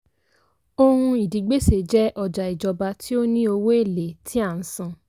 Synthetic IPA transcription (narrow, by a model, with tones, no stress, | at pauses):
o˧hũ˧i˨di˨ɡ͡be˦se˨d͡ʒɛ˦ʔɔ˧d͡ʒa˨i˨d͡ʒɔ˧ba˧tʰi˦o˦nĩ˦o˧wo˦e˦˨le˨tʰi˦a˦˨n̩˨˦sã˧